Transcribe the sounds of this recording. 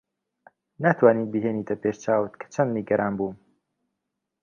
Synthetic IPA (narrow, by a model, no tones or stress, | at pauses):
nat̪ʰwaːniːbiɦeːniːt̪ʰɐpʰeʃt͡ʃaːwɨt̪kʰɐ̥t͡ʃʰɐnd̪niɡɐɾʔaːnbuːm